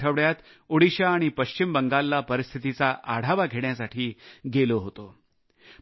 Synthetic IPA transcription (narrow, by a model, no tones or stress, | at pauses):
ʈʰəʋɭjat̪ | uɽiɕaːɽ̃ipəɕt͡ɕimbəŋɡalːapəɾist̪ʰit̪it͡saʔaɽ̤aʋaɡʱeɽjasaʈʰiːɡeloɦot̪o